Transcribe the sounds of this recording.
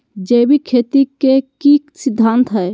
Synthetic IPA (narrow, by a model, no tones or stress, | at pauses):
d͡ʒejbʱikʰet̪ikekisid̪ʱːant̪ɦəj